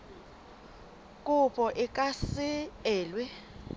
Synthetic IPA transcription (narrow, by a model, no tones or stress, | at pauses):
kʼupʼɔʔɪkʼasɪɛːlwɛ